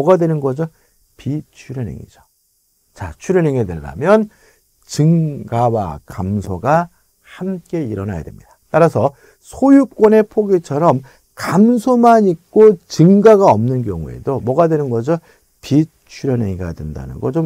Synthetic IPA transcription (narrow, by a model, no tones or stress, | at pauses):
ʌɡadwe̞nɯnɡʌd͡ʑʌ | pit͡ɕʰuɾʌnḛŋḭd͡ʑo | t͡ɕat͡ɕʰuɾʌneŋedweɭːa̰mjʌn | t͡ɕɯŋɡawa̰kamsʰoɡa | hamk͈e̞iɾʌna̰ja̰de̞̰mɲid̥ḁt͈aɾasʰʌ | sʰojuk̚k͈wʌne̞pʰoɡit͡ɕʰʌɾʌm | kamsʰomanik̚k͈ot͡ɕɯŋɡaɡaʌmnɯnkjʌŋṵe̞̰domʌɡadwe̞nɯnɡʌd͡ʑʌ | pi | t͡ɕʰuɾjʌneŋiɡadwenda̰nɯ̰nɡʌt͡ɕom